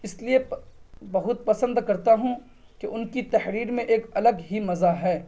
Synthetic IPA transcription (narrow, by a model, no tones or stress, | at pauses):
ɪsliebɐɦʊt̪̚pɐsə̃nd̪kɐɾt̪aɦũ | keʔʊnkit̪ɐhɾiːɾmẽʔeːkɐləɡɦimɐzaɦɛː